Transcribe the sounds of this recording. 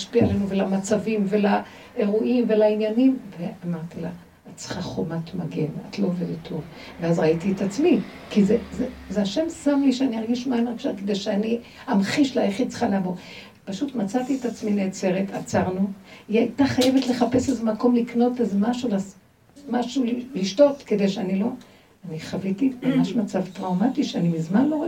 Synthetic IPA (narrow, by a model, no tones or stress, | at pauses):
aʃpiaalenuvelamat͡savimvela | e̞ʁuʔimvelainjanimveamaʁt̪ila | att͡se̥χaχomat̪maɡena̰tloːved̪et̪ʰːov | veazʁaitietat͡smikizezezeaʃe̞msamliʃeaniaʁɡiʃmaenɡʃaked̪ejʃeani | amχiʃlajaχid̪̚t͡se̥χalavo | paʃutmat͡sat̪ietat͡smineːt͡se̞ʁetʰat͡saʁnuiajt̪aχaje̞vetle̞χapesezemako̞mlikno̞tezemaʃulas | maʃulliʃto̞tke̞de̞jʃeanilo̞ | aniχavitipamaʃmat͡savtʁawmatiʃeanimizmanlo